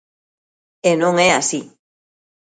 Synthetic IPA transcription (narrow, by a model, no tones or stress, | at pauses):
enõŋɛasi